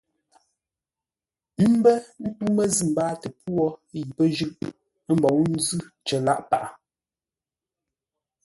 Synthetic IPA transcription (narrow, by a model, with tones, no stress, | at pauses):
m̩˦bə˦n̩˦tu˦mə˦zi˦˨m̩˨baː˦tə˨pwɔ˦ji˨pə˦ʒʉ˦ʔ | m̩˦bɔ˨˦n̩˦zʉ˦t͡ʃə˨la̰˦ʔpa˨ʔa˨